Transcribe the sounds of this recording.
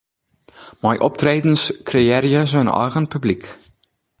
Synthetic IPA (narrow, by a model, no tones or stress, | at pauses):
majʔɔp̚treːdən̩skrieːɾiəzonɑ̰jɣənpyblik